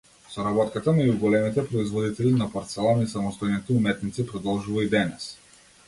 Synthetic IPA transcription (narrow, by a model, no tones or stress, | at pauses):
sɔɾabɔt̪kat̪anauɡɔlɛmit̪ɛpɾɔizvɔd̪it̪ɛlinapaɾt̪sɛlˠɔnisamɔst̪ɔjnit̪ɛumɛt̪nit̪sipɾɔd̪ɔlˠʒuvaid̪ɛnɛs